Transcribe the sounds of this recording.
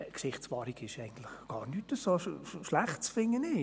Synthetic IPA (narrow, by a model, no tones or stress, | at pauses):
kʃɪχtsʋɑːɾiɡɪʃɛɪɡ̥ən̩t̪lɪχɡ̥ɑːɾnytəsoːʃlæχtt͡sfɪŋːənɪ